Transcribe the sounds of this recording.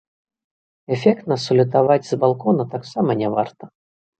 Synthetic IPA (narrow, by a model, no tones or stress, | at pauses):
ɛfʲɛkt̪nɐsɐlʲut̪avad͡zʲzbalˠkɔnɐt̪aksamɐnʲɛvart̪ɐ